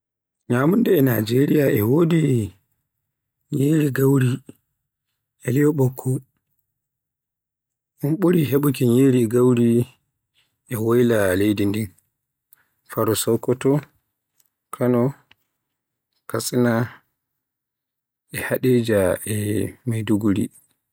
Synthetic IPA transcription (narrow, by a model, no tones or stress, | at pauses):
ɲaːmundɛːna̰d͡ʒeɾijaʔɛwodi | ɲeːɾiɡawɾi | ʔɛlijɔɓɔkʰːɔ | unɓuɾiɦeɓukiɲeːɾiɡawɾi | ʔɛwajlalejdindin | faɾɔsɔwkːɔtɔ | kʰanɔ | kasʼina | ɛhaɗɛd͡ʒaɛmajduɡuɾḭ